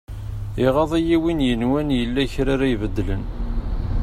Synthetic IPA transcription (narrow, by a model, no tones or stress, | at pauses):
iʁɑðˤijiwinjənwænjəlːæçɾaɾajvəd̪ːlə̰n